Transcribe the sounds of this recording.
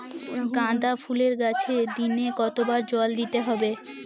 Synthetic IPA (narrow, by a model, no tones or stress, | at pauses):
kãd̪afʰuleɾɡat͡ɕʰed̪inekɔt̪obaɾd͡ʑɔld̪it̪eɦɔbe